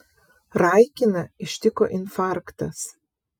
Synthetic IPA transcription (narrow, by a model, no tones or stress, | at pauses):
ɾɐɪkʲɪnɐɪʃʲt̪ʲɪko̰ːʔɪnfɑˑɾkt̪ɐs